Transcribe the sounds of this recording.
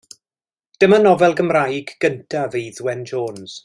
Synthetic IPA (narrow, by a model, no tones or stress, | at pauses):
d̥əmanɔvɛlˠɡəmrajɡɡ̥əntʰavejðwɛnd͡ʒoːnz̥